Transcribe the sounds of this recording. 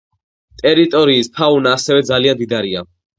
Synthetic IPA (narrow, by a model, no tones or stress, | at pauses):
t̪ʼɛɾit̪ʼɔɾiːspʰaunaːsɛvɛd̪zaliand̪id̪aɾia